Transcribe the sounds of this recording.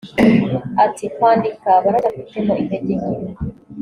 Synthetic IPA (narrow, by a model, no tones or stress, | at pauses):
atikwaːndikaβaɾaɡafitemoʔineɟe